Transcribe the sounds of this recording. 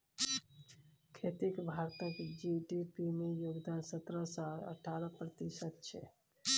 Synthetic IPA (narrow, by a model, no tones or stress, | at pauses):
kʰet̪ikbʱaɾt̪əkd͡ʒiɖipimejoːɡd̪aːnsət̪ɾəsaɾə̰ʈʰaːɾəpɾət̪isət̪̚t͡ʃʰɛ̰